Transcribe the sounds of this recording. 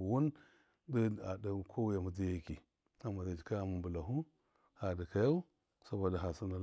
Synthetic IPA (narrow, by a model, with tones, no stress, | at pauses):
wu˦n | də˦a˨da˨kʰo˦wja˨mu˨d͡zi˦ja˦ki˨ | a˨ma˨da˨d͡ʒi˨ka˦˨mu˨mbu˨la˨ɦu˦ | ha˨di˨ka˨ja˦u˦ | sa˨ba˨da˨ɦa˨si˦na˨l